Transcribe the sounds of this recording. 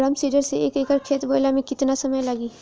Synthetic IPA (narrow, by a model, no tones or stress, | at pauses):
ɾɐmsiːɖəɾseeːkeːkəɾkʰeːt̪boːjlamẽkɪt̪nasɐməjlɐɡiː